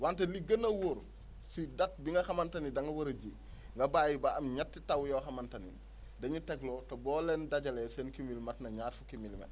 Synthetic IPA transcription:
wanteliɡɐnɐwoɾ | sidɐt̚biŋɡɐxɐmɐntɐnidɐŋɡɐwɐɾɐɟi | ŋɡɐbaːjibaɐmɲatːitɐwjɔxɐmɐntɐnḭ | dɐɲutɛklɔtɐbɔːlɛndaɟɐlɛsɛːnkimilmɐtnɐɲaːɾfukimilmɐ̰t

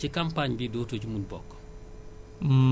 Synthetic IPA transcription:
ikampaɲbidoːtoɟumudbɔkː

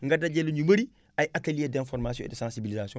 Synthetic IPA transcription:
ŋɡadːaɟelːuɲubəɾi | ajʔatelijedɛ̃nfɔɾmas̬iɔ̃ɛdəsãnsibilizasiɔ̃

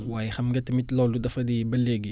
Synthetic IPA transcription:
waːjɛxɐmŋɡɐtːɐmitlɔludɐfɐdibɐleːɡi

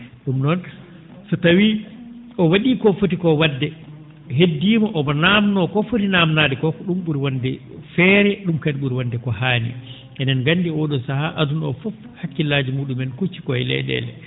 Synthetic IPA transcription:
ɗumnɔn | sɔtawi | ɔwaɗikɔfot̬ikɔwadːɛ | ɦedːiːmɔʔɔbɔnamnɔkɔfotinamnaːdɛkɔkɔɗumɓuɾiwandɛ | fɛːɾɛɗumkadɓuɾiwandɛkɔhaːnḭ | ʔɛnɛnɡanːdiɔɗɔsahaʔadunɔ̰fɔf | hakːilaːd͡ʒimuːɗumɛnkut͡ʃːi̥kɔɛlɛ̰ɗɛ̰lɛ̰

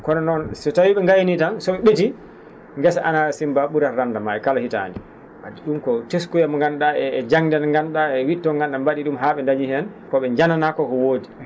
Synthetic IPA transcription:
kɔnɔnɔnsɛtawiɓɛŋɡajnitansɔɓɛɓeti | ŋɡɛsaʔanasimbaɓuɾaɾandamaɛkalahita̰ndi | mad͡ʒiɗumkɔteskujamŋɡanɗaɛːd͡ʒaŋdɛnŋɡanɗaɛwitːɔɡanɗambaɗiɗumɦaɓɛndaɲihɛn | kɔɓɛɲd͡ʒananakɔkɔwoːdi

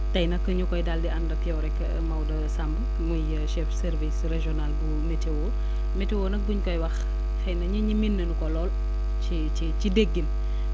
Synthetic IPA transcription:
tɐjnɐkːəɲukɔjdaldiɐndɐtiɔwɾɛkːɐ̰ | mɐwdɐsamb | mujəʃɛfsɛɾvisreʒɔnalbumetewɔː | metewoːnɐk̚buɲkɔjwɐx | xɛjnɐɲiɲiminːɐnukɔlɔːl | t͡ʃit͡ʃicideɡːin

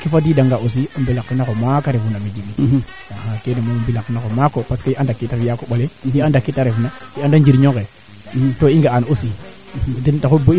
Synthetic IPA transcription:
kifadidaŋɡaos̬iumbelakːinakomakaɾevunamed͡ʒiɡi | aakenemomumbilakːinakomakopaskaiandakːitavijakoɓoleiandakːitaɾevunaiandand͡ʒiɾɲoke | toiŋɡaanosi | tendakuboi

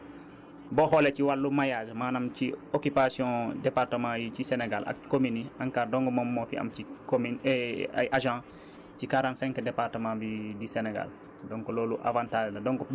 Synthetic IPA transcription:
bɔxɔlɛciwalːumajaːʒmaːnamciokipasjɔ̃dɛpartəmãjcisɛnɛɡalʔɐ̰kːominiaŋkaːɾdɔŋɡɔmɔmːɔfiɐ̰mcikomina̰jʔaʒã | cikaɾãntsɛ̃ŋkdɛpartəmãːbidisɛnɛɡa̰l | dɔŋkɔlɔːluʔa̰vãːntaːʒndɐdɔŋkɔ

